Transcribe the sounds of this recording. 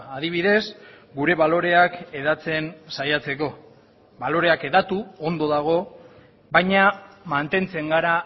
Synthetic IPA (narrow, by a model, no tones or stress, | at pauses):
aðiβ̞iðe̞s | ɡuɾe̞βalo̞ɾe̞ake̞ðat͡se̞nsajat͡se̞ko̞ | βalo̞ɾe̞ake̞ðat̪uond̪o̞ðaɣ̞o̞ | bajɲamant̪e̞nt͡se̞ŋɡaɾa